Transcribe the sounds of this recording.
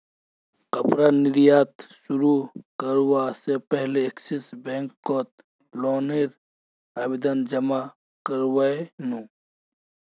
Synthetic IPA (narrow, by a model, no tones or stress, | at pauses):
qɐpɾanɪɾijaːt̪ʃuɾukɐɾwasepɛɦleːksisbẽːŋkːoːt̪̚ | loːneɾ | aːbid̪ɐnd͡ʒɐma | kɐɾwaenũː